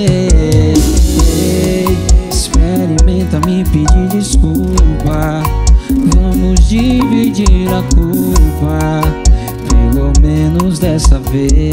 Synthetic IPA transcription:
e | e | ɪspɛɾʊmẽj̃t̪ɐ̃mẽj̃pid͡ʒiɾd͡ʒiskupɐ | vɐ̃mʊzd͡ʒivid͡ʒiɾɐkuɾpɐ | pelomẽnʊzd̪ɛsɐve

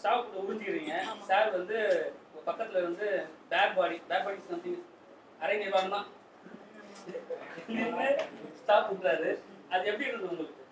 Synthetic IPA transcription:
sʈaːpːʈːɯʊɽʊɲd͡ʒɯkːɪɾiːŋɡɐsaːɾʋɐnd̪ɯɐpɐkːɐt̪ːɪlɐʋɐnd̪ɯbaːɾbaːɽibaːɾbaːʈɪsɐnt̪ɪnɯ | ɐɾɐŋɡɐʋaːɳɯmãː | nind̪ɯsʈaːpʊʈːɾaːðɯ | ɐðɯɛpːɐɽiɪɾɯnd̪ɯʊŋɡɐɭɯkːɯ

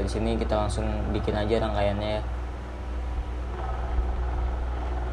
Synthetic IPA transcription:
ɾisinikit̪alaŋsʊŋbikɪnad͡ʒaɾaŋkajanɲaja

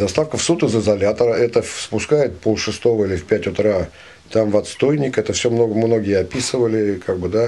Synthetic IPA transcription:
d̪ɐst̪afkəfsut̪ɨzɪzɐlʲat̪əɾəɛt̪əspʊskajɪt̪polˠʂɨst̪o̞vəilʲɪfʲpʲætʲʊt̪ɾa | t̪amvɐt̪st̪o̞jnʲɪkɛt̪əfsʲomnoɡəmno̞ɡʲɪjəɐpʲisɨvəlʲɪkʰaɡ̚bɨd̪a

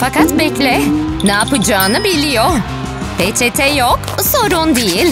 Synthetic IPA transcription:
fakat̪bɛclʲɛnaːpɯd͡ʒaːnɯbilʲijo | pʰet͡ʃʰet̪ʰɛjokso̞ɾund̪ijilʲ

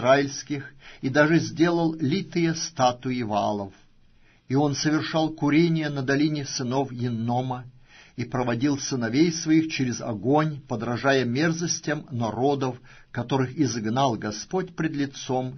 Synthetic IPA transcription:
ɾaɪlʲsʲkʲɪxid̪aʐɨzʲdʲe̞lˠəlˠlʲit̪ɨjəst̪at̪ʊɪva̰lˠəf | io̞nsəvʲɪrʂɑlˠkʊɾʲenʲɪjənəd̪ɐlʲinʲɪsɨnofjɪnːomə | ipɾəvɐdʲilˠsɨnɐvʲejsvɐixt͡ɕeɾʲɪzɐ̰ɡo̞nʲpəd̪ɾɐʐajəmʲe̞rzəsʲtʲəmnɐɾo̞d̪əf | kɐt̪o̞ɾɨxɪzɨɡnalˠɡɐspotʲpɾʲɪd̪lʲɪt̪som

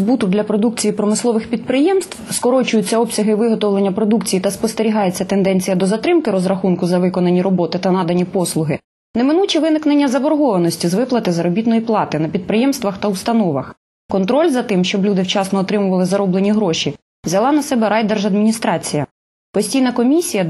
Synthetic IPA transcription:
zbut̪ʊd̪lʲɐpɾɔd̪ukt͡sʲijipɾɔmɪslˠɔʋɪxpʲid̪̚pɾɪjɛmst̪ʋ̥skɔɾɔt͡ʃʊjʊt͡sʲːɐɔbsʲɐɦɪʋɪɦɔt̪ɔwlˠenʲːɐpɾɔd̪ukt͡sʲijit̪ɐspɔst̪eɾʲiɦɑjet͡sʲːɐt̪end̪ɛnʲt͡sʲijɐd̪ɔzɐt̪ɾɪmkɪɾɔzɾɐxunkʊzɐʋɪkɔnɐnʲːiɾɔbɔt̪ɪt̪ɐnɑd̪ɐnʲipɔslˠʊɦɪ | nemɪnut͡ʃiʋɪnɪknenʲːɐzɐbɔɾɦɔʋɐnɔsʲtʲizʋɪplˠɐt̪ɪzɐɾɔbʲit̪nɔjiplˠɑt̪ɪnɐpʲid̪̚pɾɪjɛmst̪ʋɐxt̪ɐust̪ɐnɔʋɐ̰x | kɔnt̪ɾɔlʲzɐt̪ɪmʃt͡ʃɔblʲud̪ɪwt͡ʃɑsnɔːt̪ɾɪmʊʋɐlˠɪzɐɾɔblˠenʲiɦɾɔʃʲi | ʋzʲɐlˠɑnɐsɛbɛɾɑjd̪erʒɐd̪mʲinʲist̪ɾɑt͡sʲijɐ | pɔsʲtʲijnɐkɔmʲisʲijɐ

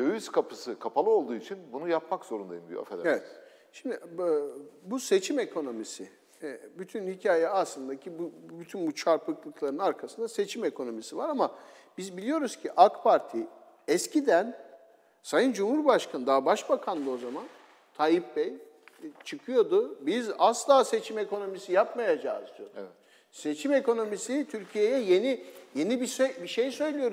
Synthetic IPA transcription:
øjyskʰapʰɯsɯkʰapʰalˠɯo̞lˠd̪uːit͡ʃʰinbunujapmakzo̞ɾuna̰jɯmb̪ijo̰a̰fɛ̰d̪evɛt̪ | ʃimd̪ɪʔ | buse̞t͡ʃʰime̞kʰo̞no̞misɪ | byt̪ʰynhicʰaːjɛaslˠɯnd̪acʰibubyt̪ʰynbut͡ʃʰaɾpʰɯklˠɯklˠaɾɯnaɾkʰasɯnd̪ase̞t͡ʃʰime̞kʰo̞no̞misivaɾama | b̥izbilʲijo̞ɾuz̥cʰiʔakpʰaɾt̪ʰi | ɛscʰid̪æn | sajɯnd͡ʒumhuɾbaʃkʰanɯd̪abaʃbakʰand̪ˠɯo̞zaman | t̪ʰajip̚bɛj | t͡ʃʰɯkʰɯjo̞d̪ʊbizaslˠaːse̞t͡ʃʰime̞ko̞no̞misijapmajad͡ʒa̰ɯzd̪oɛ | se̞t͡ʃʰime̞ko̞no̞misit̪ʰyɾcʰije̞jɛjenije̞nibisøbiʃejsø̞jlʲijo̞ɾu

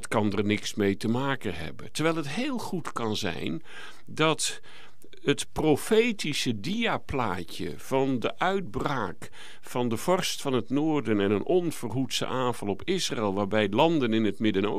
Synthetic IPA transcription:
tkɑndərnɪksmejtəmaːkənɦɛ̰bə̰ntəɹʋɛjlˠɦətɦeːlˠχutkɑnzɛ̰jn | dɑt | ətprofejtisədiaplaːcə̰v̥ɑndəʔœɥd̚braːk | fɑndəv̥ɔrstfɑnɦətnoːrdənɛnənʔɔnv̥ərɦutsə̰ʔaːvɑlˠɔpʰɪsra̰ɛlˠʋaːɹbɛjdəlɑndənɪnətmɪdəno̰

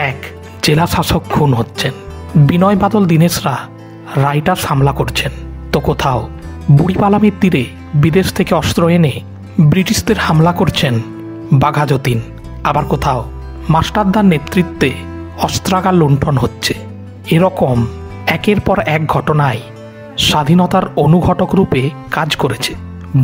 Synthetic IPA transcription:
ɛk | d͡ʑelaʃaʃok̚kʰːunɦotːɕʰen | binɔebad̪old̪ineʃɾa | ɾajʈaʃamlakoɾt͡ɕʰent̪okot̪ʰao | buɽipalameɾt̪ːiɾe | bid̪eʃt̪ʰekeɔst̪ɾoene | bɾiʈiʃd̪eɾhamlakoɾt͡ɕʰen | baɡʱad͡ʑot̪in | abaɾkot̪ʰao | maʃʈad̪ːanet̪ɾit̪ːe | ɔst̪ɾaɡalːuɳʈʰonɦotːɕʰe̥ | eɾɔkom | ɛkeɾpɔɾɛk̚ɡʱɔʈonae | ʃad̪ʱinɔt̪aɾonuɡʱɔʈokɾupe | kad͡ʑkoɾet͡ɕʰe̥

